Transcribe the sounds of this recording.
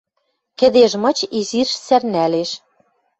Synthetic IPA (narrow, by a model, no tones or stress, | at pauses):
kɘ̆d̪eʃmɤ̆t͡ɕizirʃsærnæleʃ